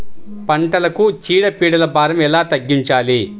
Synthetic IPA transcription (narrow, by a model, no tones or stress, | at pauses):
pɐɳʈɐlɐkut͡ʃiːɽɐpiːɽɐlɐbʱaːɾɐmɛlaːt̪ɐɡːiɲt͡ʃaːli